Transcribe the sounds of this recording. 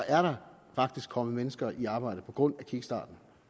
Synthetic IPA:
ʔæɐɾɑ̈ | fɑ̈ɡ̥̚d̥isɡ̥kʰɒ̽məmenəsɡ̥ɐʔiɑ̈ːb̥ɑ̈ɪ̰ɾ̥əpʰɒ̽ɡ̥ʁɔ̽n̰ækʰiɡ̥əsd̥ɑ̰̈ːd̥n̩

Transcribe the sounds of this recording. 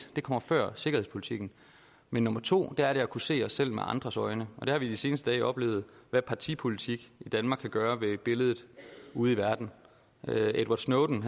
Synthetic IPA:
d̥e̝kʰɒ̽m̰ɐfɶɐ̰se̝ɡɐhe̝̰spʰo̝lit͡sʰiɡ̥n̩ | menːɔ̽mɐt͡sʰo̝̰ːd̥ææɐɾe̝ækʰuse̝̰ːɒ̽sːel̰mḛʔɑ̈nd̥ʁɐsɒ̽ɪnəɒ̽d̥e̝hɑ̈ʋid̥ise̝ːnəsd̥əd̥ɛ̰ːʔɒ̽b̥le̝̰ʊð̞̩ˠʋæpʰɑ̈t͡sʰḭːpʰo̝lit͡sʰiɡ̥id̥ænmɑ̈ːɡkʰːæɡ̥ɶːɐʋe̝b̥e̝ləð̞ˠð̩ˠuːð̞̩ˠiʋæɐd̥n̩ | ed̥wɑ̈d̥snoʊd̥n̩

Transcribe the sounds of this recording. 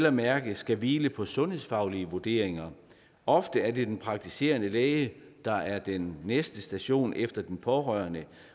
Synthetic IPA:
lɐmæɐɡ̥ð̩sɡ̥æʋiːləpʰɒ̽sɔ̽nhe̝ðˠsfɑ̈ʊliəʋoɐd̥e̝̰ɐ̰e̝ŋɐ | ɒ̽fd̥əæɐd̥e̝d̥enpʰʁɑ̈ɡ̥̚t͡sʰise̝̰ːɐnəlɛːɪəd̥ɑ̈ʔæɐd̥enːesd̥əsd̥æɕo̝̰ːnʔefd̥ɐd̥enpʰɒʁœɐnə

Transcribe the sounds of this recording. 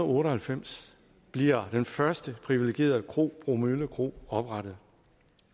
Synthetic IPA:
ɔ̽ːɾəhælfem̰s | b̥liɐ̰d̥enfɶɐsd̥əpʰʁiʋileɡ̥e̝̰ːɐðˠkʰʁo̝̰ːb̥ʁomyləkʰʁo̝̰ːɒ̽b̥ʁɑɾ̥ð̩ˠ

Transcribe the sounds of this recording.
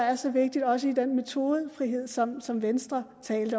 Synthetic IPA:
æɐsɒ̽ʋe̝ɡ̥̚d̥id̥ɒ̽s̬əid̥enme̝t͡sʰo̝ːð̞ˠəfʁiɦe̝ð̞̰ˠsɒ̽msɒ̽mʋensd̥ʁɐt͡sʰɛ̰ːld̥ə

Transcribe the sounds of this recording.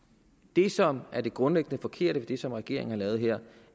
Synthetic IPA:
d̥e̝sɒ̽mæɐd̥e̝ɡ̥ʁɔ̽nleɡ̥ənəfɒ̽kʰe̝ɐ̰ɾ̥əʋed̥e̝sɒ̽mʁɛɡ̥e̝ɐ̰e̝ŋn̩hɑ̈lɛːʊð̩ˠɦeɐ̰

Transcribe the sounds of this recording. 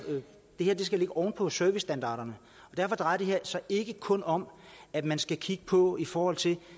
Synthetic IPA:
d̥e̝heɐ̰d̥esɡ̥æle̝ɡ̥əʔɒʊnpʰɒ̽søɐʋisd̥ænd̥ɑ̈ːɾ̥ɐnə | ɒ̽d̥æɐfɒ̽d̥ʁɑ̈ɪɐd̥e̝ɦeɐ̰sɑ̈ɪe̝ɡ̥əkʰɔ̽nɒ̽m | æd̥mænsɡ̥ækʰiɡ̥əpʰɒ̽ifɒːhɒ̽l̰t͡sʰe̝l

